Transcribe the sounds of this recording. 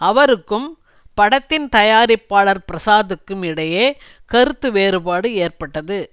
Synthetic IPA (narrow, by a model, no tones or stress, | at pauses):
ɐʋɐɾɯkːɯm | pɐɽɐt̪ːɪnt̪ɐjaːɾɪpːaːɭɐɾpɪɾɐsaːðɯkːɯmɪɽɐjeː | kɐɾɯt̪ːɯʋeːɾɯbaːɽɯeːrpɐʈːɐðɯ